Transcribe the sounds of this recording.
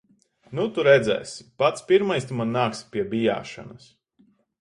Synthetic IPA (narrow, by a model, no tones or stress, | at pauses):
nut̪uɾɛd̪zɛ̰ːsi̥pat̪spʲiɾmajst̪umanːaːkspʲiɛbija̰ːʃa̰nɐs